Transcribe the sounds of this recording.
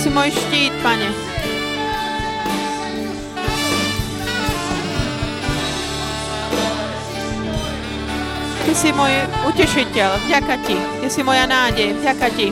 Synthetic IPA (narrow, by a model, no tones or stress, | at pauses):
simɔjʃciːt̪̚paɲɛ | t̪isimɔjucɛʃicɛlvɟakacit̪ɪsimɔjanaːɟɛjɛvɟakaci